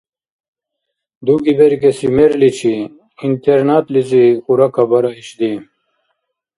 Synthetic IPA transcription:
d̪uɡibeɾkesimeɾlit͡ɕʰi | int̪eɾnaːt̪lizixuɾɐkʰabɐɾaiɕd̪i

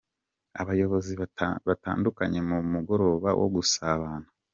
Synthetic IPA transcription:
aβajo̞βo̞ziβata̰ːndukaɲe̞mumuɡo̞ɾo̞ːβa̰wo̰ɡusaβaːnḁ

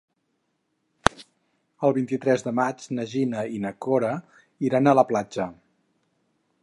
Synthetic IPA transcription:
əlˠβint̪it̪ɾɛzðəmad͡ʒnəʒinəinəkoɾə | iɾanələplad͡ʒə

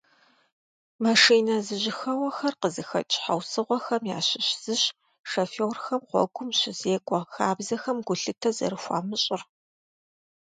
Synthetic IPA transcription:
mɐʂiːnɐzɨʑɪxɐwɐxɐrqəzɨxɐ̰t͡ʃʼħawsɨʁʷɔxɐmja̰ːɕɪɕz̥ɨɕ | ʂɐfewrxɐmqʷɔ̰ɡʷʊmɕɪzeːkʷʼɔxaːbzɐxɐmɡʷʊɬɨtʰɐzɐ̰ɾɨxʷa̰ːmɨɕʼɪr

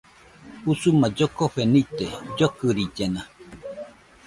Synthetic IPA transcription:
usumad͡ʒokoɸenit̪ed͡ʒokɯɾid͡ʒena

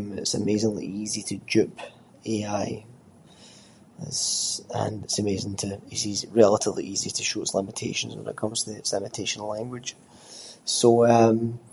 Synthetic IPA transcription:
mɪ̰tsəmezɪ̃ŋlˠḭizitʰəd͡ʒʉp | eaɪ | ɪ̰z̥ə̰̃nɪtsəmezɪ̃ŋtʰəizizɹɛlˠəʔɪvlˠḭʔizitʰəʃoʔslˠɪ̃mətʰḛʃə̃nz̰̃wə̰nɪ̰ʔkʰʌ̃mz̥tʰəsɛmətʰeʃə̃n̩lˠãŋɡwɪd̥ʒ̥ | soʌm

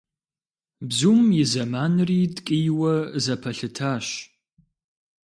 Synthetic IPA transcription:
bzumɪzɐmaːnɨriːdkʼijwɐzɐpʰɐɬɨtʰaːɕ

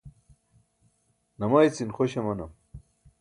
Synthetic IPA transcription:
nɐmajt͡sinxoɕemɐnɐm

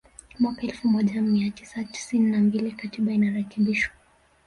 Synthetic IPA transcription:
mwakaɛlfumɔʄamiatisati̥sininambilikatiɓainaɾɛkɛɓiʃwḁ

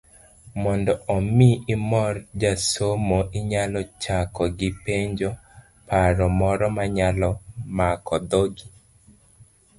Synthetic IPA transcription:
mɔndɔɔmɪʔɪmɔrd͡ʒasomoʔɪɲalɔt͡ʃakɔɡɪpeɲd͡ʒo | paɾɔmɔɾɔmaɲalɔmakɔd̪oɡi

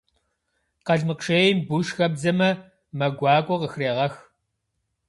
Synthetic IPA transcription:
qɐɮmɨqʂeːjmbuʂxɐbzɐmɐ | mɐɡʷɑːkʷʼɔqəxreːʁɐx

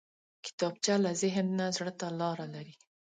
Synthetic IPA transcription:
kɪ̥t̪ɑb̚t͡ʃalazɪɦnːazɽət̪alɑɾalaɾi

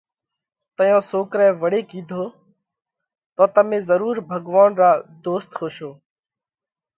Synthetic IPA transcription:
t̪əjãːsoːkɾɛ̃ːʋəɽeːkiːd̪ʱoː | t̪ɔːt̪əmẽːzəɾuːɾbʱəɡʋaːnɾaːd̪oːst̪hoːʃoː

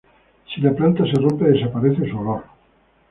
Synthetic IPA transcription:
silaplant̪aserompeðesapaɾeθesuoloɾ

